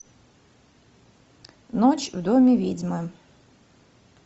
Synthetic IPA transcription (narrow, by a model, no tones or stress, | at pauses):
nɔt͡ʃwd̪ɔmʲiʋʲid͡zʲmɨ